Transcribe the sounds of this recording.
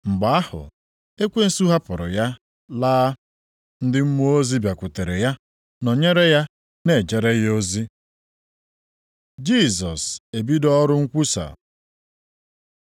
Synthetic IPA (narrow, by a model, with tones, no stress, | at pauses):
ŋ͡m̩˨ɡ͡ba˨a˦hʊ̰˨ | e˦kʷe˦n̩˦su˦ɦa˦pʊ˨ɾʊ̰˨ja˦ | laː˦ | n̩˦dɪ˦m̩˦mo˦o˦zi˦bja˨kʷʊ˨te˨ɾe˨ja˦ | nɔ˨ɲe˦ɾe˦ja˦ | ne˨d͡ʒe˨ɾe˦jo˦zi˦ | d͡ʒi˦˨zɔ˨se˨bi˦dɔ˦ɾʊ˦ŋ̩˦kʷu˦sa̰˨